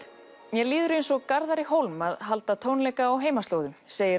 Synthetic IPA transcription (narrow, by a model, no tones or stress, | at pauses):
mjɛliːðʏɾejnsɔɣkaɾðaɾɪɦowlmaðɦal̪t̪at̪ʰoːwnlɛjkaːwɦeːjmast̪loːwðʏmseːjɪɾ